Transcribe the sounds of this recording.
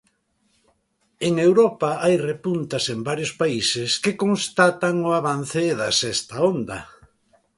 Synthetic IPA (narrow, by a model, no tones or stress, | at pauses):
eŋewɾɔpaajrepunt̪asembaɾjʊspaisɪskɪkoŋst̪at̪aŋʊaβan̟θɪðɐsɛst̪aond̪ɐ̰